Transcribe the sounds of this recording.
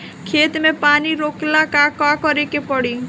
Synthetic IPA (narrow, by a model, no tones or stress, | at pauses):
kʰet̪mepaniɾoklakakakɔɾekepɔɽi